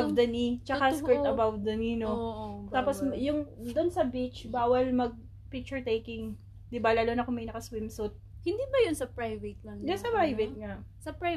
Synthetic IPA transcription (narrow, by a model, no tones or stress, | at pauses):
vd̪ɐnit͡ʃɐkaspɛɹɐbavd̪ɐninot̪aːposjʊŋd̪onsɐbit͡ʃbaːwɐlmɐɡ̚ | pɪk̚t͡ʃʊɹt̪ejkɪŋ | d̪ɪbalaːlonɐkoŋmɐjnɐkɐswɪmsut̪̚hɪnd̪iːbɐjʊnsɐpɹajvɛt̪̚lɐŋjʊnsɐpɾajvɛt̪̚ŋasɐpɹa